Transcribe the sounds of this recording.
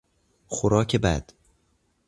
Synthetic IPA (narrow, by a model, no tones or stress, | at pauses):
xoɾɒːcʰebæ̰d̪̥